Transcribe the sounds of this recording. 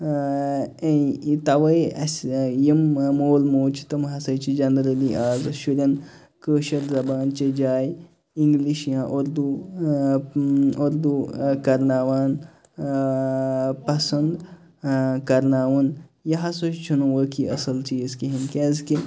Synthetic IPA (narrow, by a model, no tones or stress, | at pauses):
t̪ɐʋɐjɐsjimmoːlmoːt͡ʃi̥t̪ɐmɦɐsɐjt͡ʃid͡ʒɐnd̪ɾɐliʔaːzɐʃuɾʲɐn | kəːʃɐɾzɐbaːnt͡ʃɐd͡ʒaːj | iŋɡliʃjãːʔoɾd̪u | oɾd̪ukɐɾnaːʋaːn | pɐsɐnd̪ | kɐɾnaːwɐnjɐɦɐsot͡ʃt͡ʃʰunuʋəkiɐsɐlt͡ʃiːzkiɦinkʲeːzki